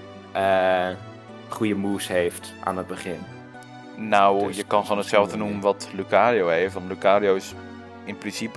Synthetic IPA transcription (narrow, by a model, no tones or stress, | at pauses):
ə | χujəmuːshejft | ʔa̰ːnəd̚bəχɪn | nawjəkɑnχonətsɛlˠvdənumʋɔtlukaːɾiowhejftʋɔnlukaːɾiowɪs | ɪnprɪsipə